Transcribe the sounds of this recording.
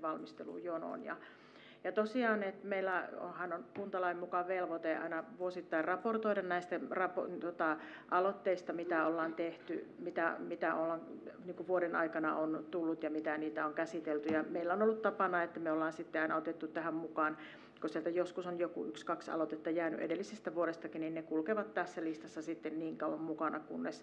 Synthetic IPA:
ʋɑlmist̪elṵːjono̰njɑ̰ | jɑt̪osiɑːnet̪meilːæo̰hɑnonpunt̪ɑlɑimmukɑʋelʋot̪eɑ̰inɑʋuosit̪ːɑirrɑport̪oiɾɑnnæist̪ærɑpot̪ot̪ɑ | ʔɑlot̪ːeist̪ɑmit̪æolːɑːnt̪eht̪ymit̪æmit̪æolːɑŋniːŋkuʋuoɾenɑ̰ikɑnɑ̰ont̪ulːut̪jɑmit̪æniːt̪æoŋkæsit̪elt̪yjɑmeilːæonolːut̪t̪ɑpɑnɑet̪ːæmeolːɑːnsit̪ːeɑinɑot̪et̪ːut̪t̪æhæmmukɑːn | kosielt̪æjoskusonjokṵykskɑksɑ̰lot̪et̪ːɑjæːny̰ʔḛdelːisest̪æʋuoɾest̪ɑkinninnekulkeʋɑt̪t̪æsːælist̪ɑsːɑsit̪ːenniːŋkɑuʋɑmmukɑnɑkunːes

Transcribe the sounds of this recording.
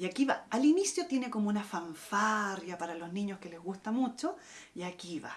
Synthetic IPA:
jakiβaalinisjot̪jene̞komounafaɱfaɾjapaɾalozniɲoskelezɣust̪amut͡ʃo | jakiβa̰

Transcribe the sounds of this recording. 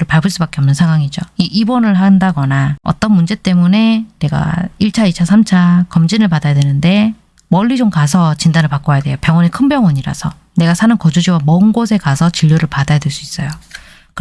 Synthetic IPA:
ɾɯɭpaɭbɯɭs͈ubak͈e̞ʌmnɯnsʰaŋwaŋid͡ʑoiʔibʌnɯɭɦandaɡʌnaʌ̰t͈ʌnmund͡ʑe̞t͈e̞mune̞ne̞ɡa̰iɭt͡ɕʰait͡ɕʰasʰamt͡ɕʰakʌmd͡ʑinɯɭpadajadwenɯnde̞ | mʌɭːid͡ʑomkasʰʌt͡ɕindanɯɭpak͈oajadwe̞jopjʌŋwʌnekʰɯnbjʌŋʌɲiɾa̰sʰʌ | ne̞ɡasʰanɯnkʌd͡ʑud͡ʑiwamʌɯnɡos̬ʰe̞kasʰʌt͡ɕiʎːoɾɯɭpadajadwe̞ɭs͈uis͈ʌjo | k

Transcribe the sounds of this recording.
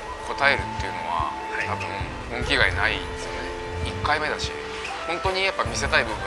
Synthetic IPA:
kʰo̞t̪ae̞ɾɯ̟t̪ːe̞jɯ̟no̞̰βa̰ | t̪abɯ̟̃ | õŋkʲiɡainai | sɨone | ikːaime̞d̪aɕḭ | hõ̞nt̪o̞ɲ̟ijapːamʲis̬e̞t̪aibɯbɯ̃

